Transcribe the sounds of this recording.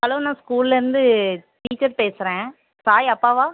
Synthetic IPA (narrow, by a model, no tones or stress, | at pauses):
ɐloːnãːskuːlɪlɐɪɾɯnd̪ɯʈiiːt͡ʃːɐɾpeːsɪɾẽː | saːjɐpːaːʋaː